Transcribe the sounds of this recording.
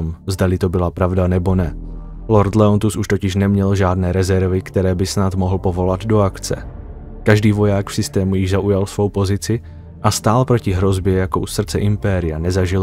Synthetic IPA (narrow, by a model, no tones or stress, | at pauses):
mzd̪alɪt̪o̞bɪlapɾavdanɛbo̞nɛ | lo̞ɾt̪lɛont̪usʔuʃt̪o̞cɪʃnɛmɲɛlʒaːdnɛːɾɛzɛɾvɪkt̪ɛɾɛːbɪsnat̪mo̞ɦl̩po̞vo̞lad̪do̞akt͡sɛ̰ | kaʒdiːvo̞jaːkfsɪst̪ɛːmujɪʒzaʔujalsvo̞wpo̞zɪt͡sɪ | ʔast̪aːlpɾo̞cɪɦɾo̞zbjɛjako̞ʔusr̩t͡sɛʔɪmpɛːɾɪjanɛzaʒɪl